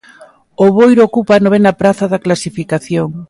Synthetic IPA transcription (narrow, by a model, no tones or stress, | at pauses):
oβojɾookupanoβenɐpɾaθɐðɐklasifikaθjoŋ